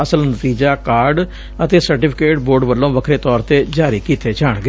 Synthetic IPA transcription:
əsəlnət̪iːd͡ʒaːkaːɾɖ | ət̪eːsəɾʈɪːpʰɪkeːʈboːɾɖʋəlːõːʋəkʰɾeːt̪ɔːɾt̪eːd͡ʒaːɾiːkiːt̪ʰeːt͡ʃaːɳɡe

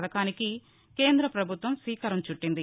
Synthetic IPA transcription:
d̪ɐkaːniki | ke̞ːnd̪ɾɐpɾɐbʱut̪ʋɐmsiːkɐɾɐmt͡ʃuʈːind̪i

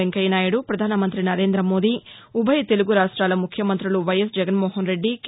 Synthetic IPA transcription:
eŋkɐjɐnaːjɐɽupɾɐd̪ʱaːnɐmɐnt̪ɾinɐɾe̞ːnd̪ɾɐmo̞ːd̪iubʱɐjɐt̪e̞luɡuɾaːʂʈɾaːlɐmukʰjɐmɐnt̪ɾuluʋɐjɐsd͡ʒɛɡɐnmoːɦɐnɾe̞ɖːik

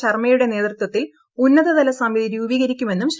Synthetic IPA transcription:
ɐrmɐjuɽe̞ne̞ːt̪rɨt̪wɐt̪ːil | unːɐðɐðɐlɐsɐmiðiɾuːbiːɣɐɾikʲːume̞nːumɕ

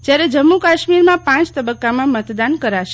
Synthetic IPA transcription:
d͡ʒjaɾed͡ʒəmːukaʃmiɾmãpãt͡ʃt̪əbəkːamãmət̪d̪ankəɾaʃe

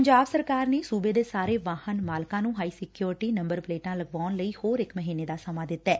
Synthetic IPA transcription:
əɲd͡ʒaːbsəɾkaːɾneːsuːbeːd̪eːsaːɾeːʋaːhənmaːlkãːnũːɦaːiːsɪkjuːɾʈiːnə̃mbəɾpleːʈãːləɡʋaːnləiːhoːɾɪkməɦiːneːd̪aːsəmaːd̪ɪt̪ːɛː

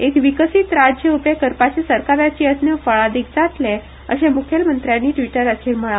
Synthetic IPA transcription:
ekʋikəsiːt̪ɾad͡ʑjəupekəɾpat͡ɕesəɾkaɾjat͡ɕiːəsnjəfəɭad̪ik̚d͡zat̪le | ə̰ɕemukʰelmənt̪ɾjanːiːʈʋiʈəɾət̪ʰelməɭa

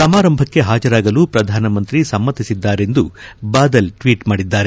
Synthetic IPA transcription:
sɐmaːɾɐmbʱɐkːe̞ɦaːd͡ʒɐɾaːɡɐluːpɾɐd̪ʱaːnɐmɐnt̪ɾisɐmːɐt̪ːisid̪ːaːɾe̞nd̪ubaːd̪ɐlʈʋiːʈmaːɽid̪ːaːɾe

